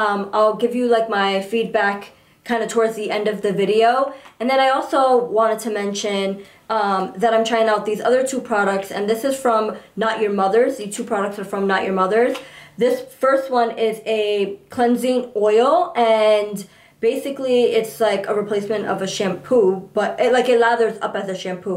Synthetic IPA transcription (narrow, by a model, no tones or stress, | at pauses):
ʌ̃maɪlˠɡɪvjɨlaɪk̚maɪfid̚bækʰ | ãɪ̃ndɨtʰɔɹdzðiʔɛ̃ndʌvðɨvɪɾioʊɨ̃nðɨ̃ñaɪɔlˠsoʊwɑ̃ɾ̃ɨd̚tʰɨmɛ̃nʃɨ̃n | ʌ̃mðɨɾãɪmtʰɹ̥aɪɪ̃ŋaʊt̪̚ðizʌ̰ðə˞tʰupʰɹ̥ɑɾək̚tsɨ̰̃nðɪsɨz̥fɹʌ̃mnət͡ʃə˞mʌðə˞zðiz̥tʰupʰɹ̥ɑɾək̚tsə˞fɹʌ̃mnət͡ʃjə˞mʌðə˞zðɪsfɜ˞st̚wʌ̃nɪzɨkʰl̥ɛ̃nzɪ̃ŋɔɪlˠɨ̃n | b̥eɪsɨkliɪtslaɪkəɹɨpʰl̥eɪsmɨ̃ntʌ̰vɨʃæ̃mpʰub̥ʌɾɪlaɪkɨt̚ˡlæðə˞zʌ̰pɨzɨʃæ̃mpʰu